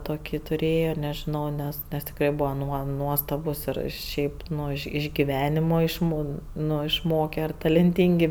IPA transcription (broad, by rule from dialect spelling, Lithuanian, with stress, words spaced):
toːˈkʲiː tʊˈrʲeːjoː nʲɛʒʲɪˈnɐʊ ˈnʲɛs nʲɛs tʲɪkˈrɐɪ ˈbʊʋoː ˈnuɔ ˈnuɔstɐbʊs ɪr ˈʃʲɛɪp ˈnʊ ɪʃ ɡʲɪˈʋʲæːnʲɪmoː ɪʃˈmoː ˈnʊ ɪʃˈmoːkʲɛ ɐr tɐlʲɛnʲˈtʲiːŋʲɡʲɪ